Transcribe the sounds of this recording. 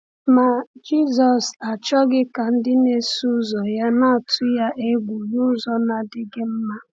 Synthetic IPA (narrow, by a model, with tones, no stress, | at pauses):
ma˨d͡ʒi˦˨zɔ˨sa˨t͡ʃɔ˦ɡɪ˦ka˨n̩˦dɪ˦ne˦su˦zɔ˨ja˦na˦a˨tʰʊ˦ja˦ʔe˦ɡʷu˨ju˦zɔ˦na˨dɪ˦ɡɪ˦m̩˦ma˦